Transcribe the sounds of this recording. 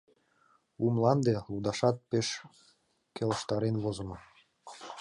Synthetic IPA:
umlˠɑnd̪elud̪ɑʃɑt̪̚peʃ | kʲeləʃt̪ɑɾenβozə̆mɤ

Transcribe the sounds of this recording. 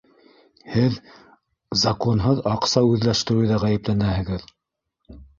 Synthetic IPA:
hɘð | zɑkonɦɤðɑqsɑʉðlæʃt̪ɘ̆ɾɘjðɑʁæjɘ̆plænæhɘ̆ɡɘð

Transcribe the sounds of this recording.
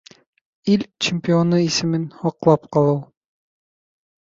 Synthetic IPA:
ilʲt͡ɕɪmʲpʲionuisɘ̆mɘnhɑqlˠɑpqɑlˠɤw

